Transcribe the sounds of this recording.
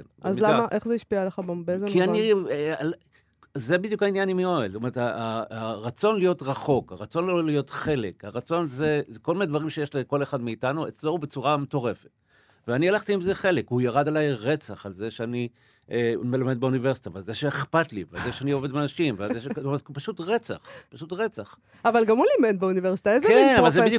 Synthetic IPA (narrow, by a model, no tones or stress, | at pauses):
enzilamaʔe̞χzeiʃpialeχabembezeianial | ze̞bid̪jukhainjanimioelstome̞etaaːʁat͡so̞nlijo̞tʁaχo̞kaʁat͡so̞nlolijo̞t̪χe̞le̞kaʁat͡so̞nzeko̞lmined̪vaʁimʃejeʃliko̞le̞χad̪meitanuet͡sloube̞t͡suʁame̞to̞ʁe̞fet | veanialaχt̪iimzeχe̞le̞kujaʁad̪alajʁe̞t͡saχalzeʃeani | emelame̞d̪̚beuniveʁsi̥t̪avalzeʃeːχpatliva̰lzeʃeanioved̪meanaʃimvazeʃetomeetpaʃutʁe̞t͡sa̰χpaʃutʁet͡saχ | avalɡamulamedbeuniveʁsitaezkenavvalzeid̪ju